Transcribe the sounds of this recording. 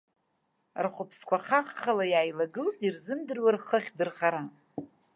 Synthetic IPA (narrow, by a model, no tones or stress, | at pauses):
rχʷʊpʰskʷʰaχaχːalajaːjlaɡɨltʼirzɨmdɨrwarχəχʲdɨrχaɾa